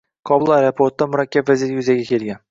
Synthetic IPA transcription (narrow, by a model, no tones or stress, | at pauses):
kʰɒbʊlˠajɾapʰoɾt̪ːamʊɾakʲːabvazijet̪ɪjʏzaɡʲakʲʰe̞lˠɡʲan